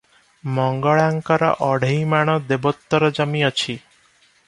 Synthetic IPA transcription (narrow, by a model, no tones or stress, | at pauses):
mɔŋɡɔɭaŋkɔɾɔ̰ʔɔɽ̤ʱejmaɽ̃ɔd̪ebɔt̪ːɔɾɔd͡ʒɔmiɔt͡ʃʰi